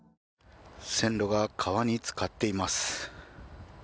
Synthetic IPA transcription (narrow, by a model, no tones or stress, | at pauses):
sẽ̞ndo̞ɡakʰaβaɲ̟it͡sɨ̥kat̪ːe̞imasɨ̥